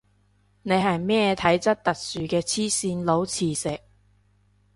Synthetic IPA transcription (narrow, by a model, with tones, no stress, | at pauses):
ne˨˧jɦɐ˨jmɛː˥˧˨t̪ʰɐ˨˥jt͡sɐ˥t̚t̪ɐ˨k̚syː˨kɛː˧t͡sʰiː˥siː˧nlo˨˧wt͡sʰiː˨˩sɪ˨k̚